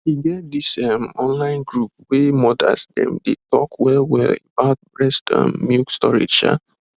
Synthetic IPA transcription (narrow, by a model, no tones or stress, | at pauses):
iɡɛt̚disamɔ̃nlãɪ̃nɡɹup̚wemɔda̰sdɛ̰̃mdetɔkwɛlwɛ̰lebaʊt̚bɹɛstã̰mːjukstɔɹḭd͡ʒa̰